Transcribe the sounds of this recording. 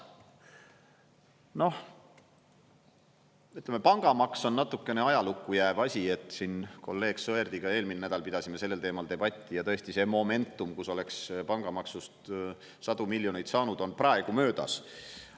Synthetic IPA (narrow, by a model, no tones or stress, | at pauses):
no̞h | yt̪ːˑlemepɑŋɡ̥ɑmɑkso̞nːɑt̪ːˑukːe̞ne̞ɑjɑlukːˑujæːb̥ɑsʲie̞t̪ːˑsinko̞̰lːe̞ːɡ̥soe̞rd̪̥iɡ̥ɑe̞ːlminnæd̪̥ɑlpid̪̥ɑsʲime̞se̞lːe̞lt̪e̞ːmɑld̪e̞b̥ɑt̪ʲːijɑt̪ɤ̞est̪ise̞mo̞me̞nt̪ːˑumkuso̞le̞kspɑŋɡ̥ɑmɑksust̪ | sɑd̪̥umilːjo̞nejt̪sɑːnud̪̥o̞nprɑe̞ɡ̥umø̞ːd̪ɑ̰s